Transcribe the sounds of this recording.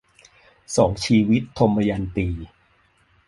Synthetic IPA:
sɔː˩˦ŋt͡ɕʰiː˧wi˦˥t̪ʰːo˧mːa˧ja˧nt̪iː˧

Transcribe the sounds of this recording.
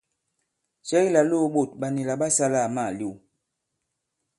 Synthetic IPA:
sɛ˦i˦la˨lo˦˨ɓo˨t̚ɓa˨ni˨la˨ɓa˦sa˦la˦˨ma˦˨li˦˨w

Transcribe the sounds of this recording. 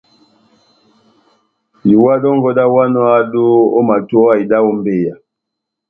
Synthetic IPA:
ji˨wa˦dɔ˦ŋɡɔ˦da˦wa˦nɔ˦a˦do˦o˦ma˨tɔ˦a˦i˨da˦ɔ˦mbe˦˨ja˨

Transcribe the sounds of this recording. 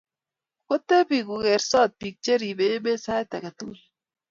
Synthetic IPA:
ko˦t̪ːe˦pi˨ku˨kɛ˨ɾsɔ˦˨t̪̚pi˨k̚t͡ʃe˦ɾi˨be˨˦be˦sa˦jt̪a˨ka˨t̪u˦l

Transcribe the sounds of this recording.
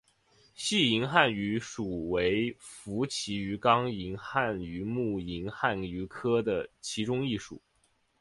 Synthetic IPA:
ɕi˥˩i˧˥ŋxa˥˩ny˧˥ʂu˨˩we˧˥ɪfu˧˥t͡ɕʰi˧˥y˧˥kɑ˥ŋi˧˥ŋxa˥˩ny˧˥mu˥˩i˧˥ŋxa˥˩ny˧˥kʰɤ˥d̪ə˨t͡ɕʰi˧˥ʈ͡ʂʊ˥ŋi˥˩ʂṵ˨˩˦

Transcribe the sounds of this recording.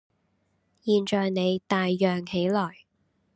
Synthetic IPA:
jiː˨nt͡ʃɔː˨jne˨˧jt̪aː˨jːœː˨ŋhe˨˥jlɔː˨˩j

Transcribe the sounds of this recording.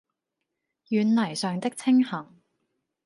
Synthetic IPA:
jyː˨˧nlɐ˨˩jsœː˨ŋt̪ɪ˥k̚t͡sʰɪ˥ŋhɐ˨˩ŋ

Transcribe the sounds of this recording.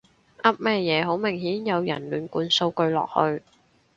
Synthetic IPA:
ʔɐ˥p̚mɛː˧jɛː˨˧ɦo˨˥wmɪ˨˩ŋɦiː˨˥njɐ˨˧wjɐ˨˩nlyː˨˩nkuː˨˧nso˧wkɵ˧ɥlɔ̰ː˨˩k̚hɵ˧ɥ

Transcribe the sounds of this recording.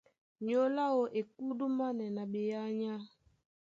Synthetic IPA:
ɲo˦la˦wo˨ʔe˨ku˦du˦ma˦nɛ˨na˨ɓe˨ja˦ɲa˦

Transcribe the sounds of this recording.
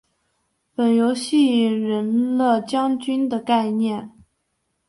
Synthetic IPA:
pə˨˩njo˧˥ʊɕi˥˩i˨˩ŋɻə˧˥nlə˥˧t͡ɕjɑ˥ŋt͡ɕy˥nd̪ə˨ka˥˧ɪnjɛ˥˩n

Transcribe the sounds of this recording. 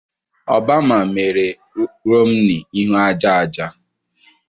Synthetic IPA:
ɔ̰˨ba˦m̩a˨me˨ɾe˨ | ɾo˦m̩˦nɪ˨i˦ɦu˦a˦d͡ʒa˦a˨d͡ʒa˦

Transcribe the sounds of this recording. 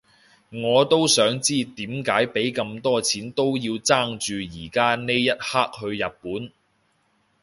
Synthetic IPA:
ŋɔː˨˧t̪o˥wsœː˨˥ŋt͡siː˥t̪iː˨˥mkaː˨˥jpe˨˥jkɐ˧mt̪ɔː˥t͡sʰiː˨˥nt̪o˥wjiː˧wt͡saː˥ŋt͡ʃyː˨jiː˨˩kaː˥ne˥jjɐ˥t̚haː˥k̚hɵ˧ɥjɐ˨p̚puː˨˥n

